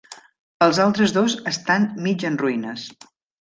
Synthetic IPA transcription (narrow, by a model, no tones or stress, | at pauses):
əlˠzalˠt̪ɾəzðozəst̪anmid͡ʒənruinəs